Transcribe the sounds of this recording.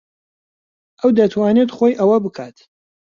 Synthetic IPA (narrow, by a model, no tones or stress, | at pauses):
ʔɐwd̪ɐt̪ʰwaːnet̪χoːjʔɐwɐbɨkʰaːt̪